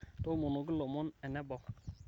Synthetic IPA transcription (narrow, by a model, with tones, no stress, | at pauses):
to˦mu˨nu˨ɡi˦lo˨mʊ˦nɛ˨nɛ˦bɔ˨